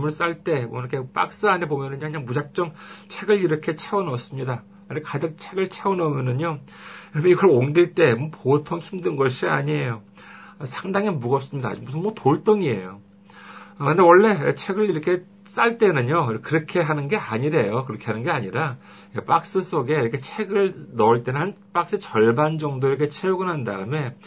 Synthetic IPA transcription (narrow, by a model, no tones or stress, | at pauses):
mɯɭs͈aɭt͈e̞mwʌiɾʌkʰep͈a̰k̚s͈ɯanebomjʌnɯnɲaŋkɯɲaŋmud͡ʑak̚t͡ɕ͈ʌŋt͡ɕʰe̞ɡɯɭiɾʌkʰe̞t͡ɕʰe̞unʌs͈ɯmɲida | ɯndekadɯk̚t͡ɕʰe̞ɡɯɭt͡ɕʰeunʌmjʌnɯɲo | ɾimʰeiɡʌɭoŋɡiɭt͈e̞mʌpotʰoŋçimdɯnɡʌɕʰia̰ɲie̞jo | ʌsʰaŋdaŋemuɡʌps͈ɯmɲida̰ːd͡ʑumbusʰɯnmwʌtoɭt͈oŋie̞̰jo | kɯnde̞wʌɭːe̞t͡ɕʰe̞ɡɯɭiɾʌkʰe̞ | s͈aɭt͈e̞nɯɲoikɯɾʌkʰe̞ɦanɯnɡe̞aɲiɾe̞jokɯɾʌkʰe̞ɦanɯnɡe̞aɲiɾa | jep͈ak̚s͈ɯs͈oɡe̞iɾʌkʰe̞t͡ɕʰe̞ɡɯɭnʌɯɭt͈enɯnhan | p͈ak̚s͈ɯt͡ɕʌɭband͡ʑʌŋdoiɾʌkʰe̞t͡ɕʰeuɡɯnɦandaɯme̞